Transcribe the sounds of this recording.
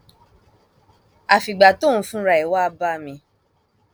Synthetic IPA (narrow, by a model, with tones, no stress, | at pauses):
a˨fi˨ɡ͡ba˨to˦˨ũ˧fũ˦ɾa˧˨i˨wa˦˧ba˦mĩ˧